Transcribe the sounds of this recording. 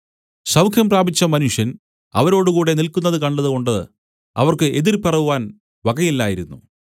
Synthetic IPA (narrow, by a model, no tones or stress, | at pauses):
sɐwkʰjɐmpraːbit͡ɕːɐmɐnuʂjɐn | ɐʋɐɾo̞ːɽukuːɽe̞nilkunːɐðɨkɐɳɖɐðuko̞ɳɖɨ | ɐ̰ʋɐrkɨʔe̞ðirpɐrɐʋuʋaːn | ʋɐɡɐjilːaːjiɾunːṵ